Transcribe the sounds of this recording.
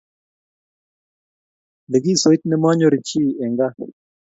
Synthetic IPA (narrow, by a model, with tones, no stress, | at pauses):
dɪ˨ɡi˦˨so˨i˦t̪̚nɛ˦mɔ˦ɲo˦ɾi˨t͡ʃi˦˨ɛ˨ŋɡa˦